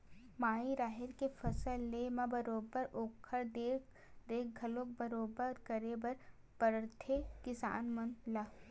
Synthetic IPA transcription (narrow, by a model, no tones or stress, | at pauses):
maːiɾaːɦɪɾkefɐsəlːemabɐɾoːbəɾoːkʰəɾd̪eːk̚ʰ | ɾeːk̚ɡʱɐlok̚bɐɾoːbəɾkəɾebɐɾ | pəɾt̪ʰekɪsa̰ːnmɐnlaː